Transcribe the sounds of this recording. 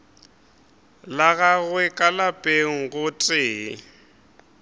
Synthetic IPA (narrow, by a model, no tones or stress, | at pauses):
laɣaɣwɛkʼalapʼeŋ̩ɣʊtʼɪː